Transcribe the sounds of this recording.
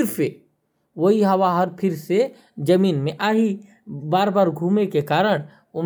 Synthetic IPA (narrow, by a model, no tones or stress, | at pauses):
ɾse | ʋɐɦiɦɐʋaɦɐɾpʰɪɾse | d͡ʒɐmiːnmẽʔaːɦi | baːɾbaːɾɡʱuːmekekaːɾəɽ̃ | ʊm